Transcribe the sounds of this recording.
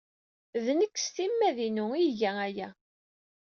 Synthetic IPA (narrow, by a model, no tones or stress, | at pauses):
ðnəkːsθimːæðinuiʝææjæ